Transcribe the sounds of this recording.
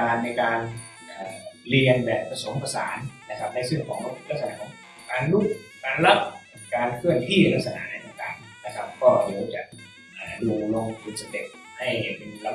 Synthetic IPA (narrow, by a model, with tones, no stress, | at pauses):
aː˧nːa˧jkaː˧n | ʔaː˨˩li˧ənbɛː˨˩p̚ːɾa˧so˨˩˦mpa˧sa̰ː˩˦nna˧˦˥kʰa˦˥p̚na˧jsɯ˥˩əŋkʰɔː˨˦ŋbɔ˧˦pʰu˧˩la˦˥k̚sa˧na˧˩kʰɔː˨˦ŋ | kaː˧nlu˦˥˩k̚kaː˧nla˦˥p̚ | kaː˧nkʰɯ˥˩əŋt̪ʰiː˥˩la˦˥k̚sa˧na̰˧˦˥na˧jt̪a˧˩ŋt̪aː˨˩ŋ | na˦˥kʰa˦˥p̚kɔː˥˩deː˨˦wt͡ɕa̰˨˩ʔ | ʔaː˨˩duː˧lo˧ŋt̪ʰɯː˧nsa˧d̪e˨˩t̪̚ | ha˥˩ja˧˩pe˧nla˧